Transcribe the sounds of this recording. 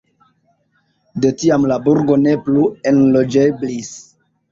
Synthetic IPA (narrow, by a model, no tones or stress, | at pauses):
de̞tiamlabuɾɡo̞ne̞plue̞nlo̞d͡ʒeblis